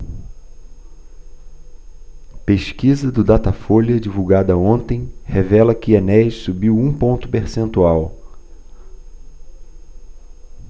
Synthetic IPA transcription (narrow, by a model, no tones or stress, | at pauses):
peʃkizɐd̪ʊd̪at̪ɐfolɐd͡ʒivuwɡad̪ɐõnt̪ẽj̃hevɛlɐkɪanɛʃsubiwũpõnt̪ʊ̥peɾsẽnt̪uaw